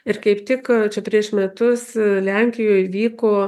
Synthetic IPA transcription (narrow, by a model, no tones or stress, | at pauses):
ɪrkɐɪpt̪ʲɪkt͡ʃʲɛpʲɾʲiɛʃmʲɛt̪ʊslʲæŋʲkʲɪjoːjʋʲiːkoː